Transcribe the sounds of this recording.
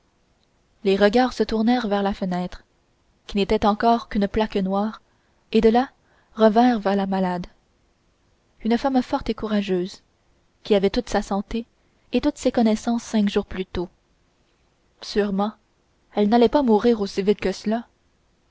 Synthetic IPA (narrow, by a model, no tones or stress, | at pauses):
leʁəɡʲaːʁsət̪uʁnɛːʁvɛʁlafənɛːt̪χ | kʲinet̪ɛt̪ɑ̃kɔːʁkʲynplaknwaːʁ | ed̪əla | ʁəvɛ̃ːʁvɛʁlamalad̪ | ynəfamfɔʁt̪ekuʁaʒøːz | kʲiavɛt̪ut̪sasɑ̃t̪e | et̪ut̪sekɔnɛsɑ̃ːsːɛ̃kʒuːʁplyt̪o | syʁmɑ̃ | ɛlnalɛpamuʁiːʁosivit̪̚kəsəla